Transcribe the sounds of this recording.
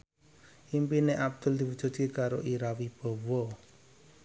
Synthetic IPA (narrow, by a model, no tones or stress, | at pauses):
ʔimpineʔab̚d̪̥ʊ̤ld̪̥i̤wud̥ʒ̥ṳt̪̚kekaɾoʔiɾawib̥ɔ̤wɔ